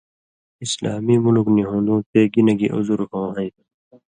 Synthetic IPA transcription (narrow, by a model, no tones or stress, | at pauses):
islaːmimulukniɦõːnd̪ũːt̪eːɡinɐɡiʔṵzuɾhõːɦʌi